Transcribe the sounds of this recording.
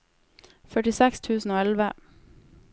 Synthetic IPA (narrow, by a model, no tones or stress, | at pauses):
fœʈɪsɛkst̪ʰʉːsn̩oːɛlʋə